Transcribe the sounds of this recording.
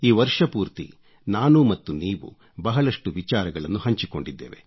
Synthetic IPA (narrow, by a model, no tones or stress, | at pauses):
iːʋɐɾʂɐpuːɾt̪ḭ | naːnumɐt̪ːuniːʋṵ | bɐɦɐɭɐʂʈuʋit͡ʃaːɾɐɡɐɭɐnːuɦɐɲt͡ʃiko̞̰ɳɖid̪ːḛːʋe̞̰